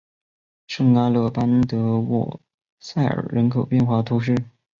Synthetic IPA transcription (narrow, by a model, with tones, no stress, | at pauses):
ʂɤ˥˧ŋna˥lɤ˥˩pa˥nt̪ɤ˧˥wɔ̰˥˩ | sa˥˩ɪə̰˞˨˩ɻə˧˥nkʰo˨˩ʊpjɛ˥˧nxwa˥˩t̪ʰu˧˥ʂ̬ɻ̩˥˩